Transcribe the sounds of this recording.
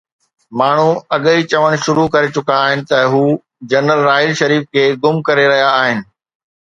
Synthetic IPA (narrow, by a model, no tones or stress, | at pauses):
maːɳ̤uɐɠit͡ɕɐʋəɽ̃ʃʊɾukɐɾet͡ɕʊkaːɦɪnɪ̆t̪ɐɦuː | d͡ʑɐnəlːaːɦɪlʃɐɾiːfkʰeːɡʊmkɐɾeɾɐɦijaːɦɪnɪ̆